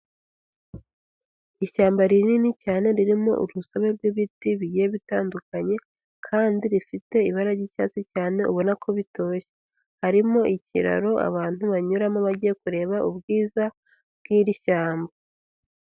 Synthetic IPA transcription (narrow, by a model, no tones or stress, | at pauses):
iʃaːmbaɾininicaːne̞ɾiɾimo̞̰ʔṵɾusaβe̞ɾɡiβitiβiɟeβitaːndukaɲe̞ | kʰaːndiɾifite̞iβaɾaɟica̰ːt͡sicaːne̞ʔṵβo̞nakʰo̞βito̞ːçe̥ | haɾimo̞ʔicḭɾa̰ɾo̞a̰βaːn̥huβaɲuɾamoβaɟije̞kuɾe̞ːβaʔubɡiːza | bɡ̥iːɾiʃaːmba